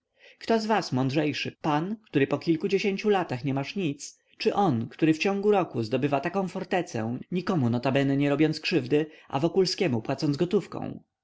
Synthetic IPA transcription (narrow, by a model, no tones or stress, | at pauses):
kt̪ɔzvasmɔnd̪ʐɛjʂɘpankt̪uɾɘpɔkʲilkud͡ʑeɕeɲt͡ɕulat̪axɲɛmaʂɲit̪s | t͡ʂɘʔɔnkt̪uɾɘft͡ɕɔ̃ŋɡuɾɔkuzd̪ɔbɘvat̪akɔ̃w̃fɔɾt̪ɛt̪sɛ̰̃ɲikɔmunɔt̪abɛnɛɲɛɾɔbʲjɔnt̪skʂɘvd̪ɘʔa̰vɔkulskʲɛmupwat̪sɔnd̪zɡɔt̪ufkɔ̰̃w̃